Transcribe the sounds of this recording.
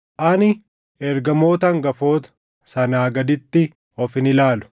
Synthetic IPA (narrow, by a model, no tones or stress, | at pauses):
ʔɐnɪ | ɛɾɡɐmo̞ːt̪ɐŋɡɐfo̞ːt̪ɐ̥ | sɐnaːɡɐd̪ɪt̪ːɪ | ɔfɪnɪlaːlʊ̥